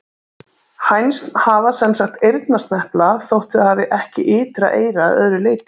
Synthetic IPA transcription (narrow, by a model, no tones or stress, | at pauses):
hajnst̪nhavasɛnsakt̪ejɾt̪nast̪nɛhplaθowht̪ɪahaːvɪʔɛhcɪʔɪːt̪ɾa̰ʔḛːjɾaðœ̰ðɾʏleːjt̪